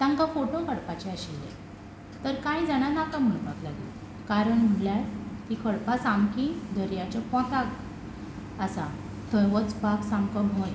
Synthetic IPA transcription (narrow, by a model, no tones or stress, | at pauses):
t̪ãŋkafoʈõkʰəɽpat͡ɕɛəɕilḛ | t̪əɾkãjd͡zaɽ̃anakam̤əɭpaklaɡḭ | kaɾəɳm̤əɳljalt̪ikʰəɽpasamkĩd̪ʱəɾjat͡ɕapɔ̃t̪ak | əsa | t̪ʰəjʋət͡sbaɡsãŋkəɔ̃j